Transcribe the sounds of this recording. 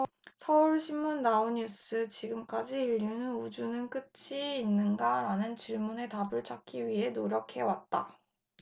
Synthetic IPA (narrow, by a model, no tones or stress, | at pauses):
sʰʌuɭɕʰimːunːauɲjus͈ʰɯt͡ɕiɡɯmk͈ad͡ʑiːʎːunɯnud͡ʑunɯnk͈ɯt͡ɕʰiːnːɯnɡaɾanɯnt͡ɕiɭmune̞tabɯɭt͡ɕʰak͈iɥiɦe̞noɾjʌkʰe̞wat̚t͈a̰